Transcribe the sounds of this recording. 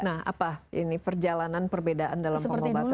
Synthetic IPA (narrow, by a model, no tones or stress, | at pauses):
naha̰paḭnipərd͡ʒalananpərbedaʔandalamsəpəəŋba